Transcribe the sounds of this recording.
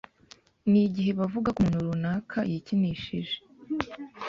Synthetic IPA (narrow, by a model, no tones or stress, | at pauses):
niɟiɦe̞βavuɡakunuɾunaːkʰajiciniːʃiʒe